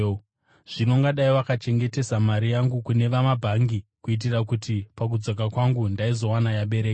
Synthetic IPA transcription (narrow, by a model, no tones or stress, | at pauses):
ʐ̥ino̞ŋɡaɗaiwakat͡ʃe̞ŋɡe̞te̞samaɾijaŋɡukune̞ʋamabʱaŋɡikuit̬irakutipak̬ud͡zok̬akwaŋɡundaizo̞wanajaɓe̞ɾeːka